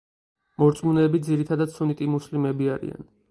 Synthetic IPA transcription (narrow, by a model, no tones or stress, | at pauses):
mɔɾt̪sʼmunɛːbid̪ziɾit̪ʰad̪ad̪sunit̪ʼimuslimɛbiaɾḭa̰n